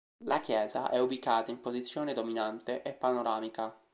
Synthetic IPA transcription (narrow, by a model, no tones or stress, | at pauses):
lakjɛːza̰ʔɛubikaːt̪aimpozit̪sːjoːned̪ominant̪eʔepːanoɾaːmika